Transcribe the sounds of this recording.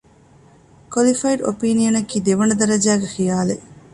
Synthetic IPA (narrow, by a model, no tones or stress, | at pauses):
kwɐlifɐiɖo̰piːnijɐnɐkiːd̪eʋɐɳɐd̪ɐɾɐd͡ʒæːɡexijaːle